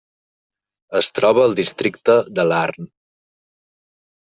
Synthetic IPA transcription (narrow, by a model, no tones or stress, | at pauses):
əst̪ɾɔβəːlˠd̪ist̪ɾikt̪əðəlarn